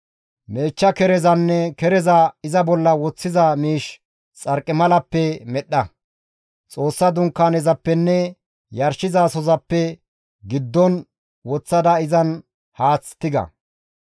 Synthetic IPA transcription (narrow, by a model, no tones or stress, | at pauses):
me̞ːt͡ʃːɐkɛɾɛzɐnːɛkɛɾɛzɐɪzɐbɔlːɐwɔt͡sːɪzɐmiːʃ | t͡sʼɐɾkʼːɪmɐlɐpːɛmɛɗɐ | t͡sʼo̞ːsːɐd̪ʊŋkːaːnɛzɐpːɛnːɛ | jɐɾʃɪzasɔzɐpːɛ | ɡɪd̪ːɔn | wɔt͡sːɐd̪ɐɪzɐn | haːt͡sːt̪ːɪɡɐ̰